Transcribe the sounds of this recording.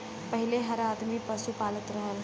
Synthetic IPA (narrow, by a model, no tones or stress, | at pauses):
pəɦɪleɦɐɾaːd̪mipɐsupaːlət̪ɾəɦəl